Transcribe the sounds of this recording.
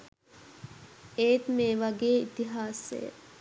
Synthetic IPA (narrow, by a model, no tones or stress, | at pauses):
eːt̪meːʋaɡeːit̪iɦaːsḛjə̰